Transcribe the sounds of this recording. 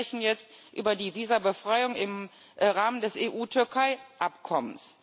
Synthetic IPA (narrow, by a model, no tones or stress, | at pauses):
ɛçn̩jɛt͡stʔy̰ːbɐdiːviːzɐbəfʁ̥aɪʊŋɪm | ʁaːməndɛsʔeːʔuːtʰʏɐkʰaɪʔapkʰɔməns